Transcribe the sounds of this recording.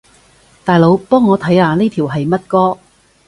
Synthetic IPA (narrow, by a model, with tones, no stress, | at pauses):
t̪aː˨jlo˨˧wpɔː˥ŋːɔː˨˧t̪ʰɐ˨˥jaː˧ne˥t̪ʰiː˨˩wɦɐ˨jmɐ˥t̚kɔː˥